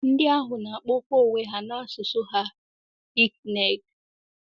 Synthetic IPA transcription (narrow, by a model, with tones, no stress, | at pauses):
n̩˦dɪ˦a˦ɦʊ˨na˨a˨k͡pɔ˦kʷo˦˨we˦ɦa˦na˦sʊ˨sʊ˦ɦa˦ | i˦k̚ne˨ɡ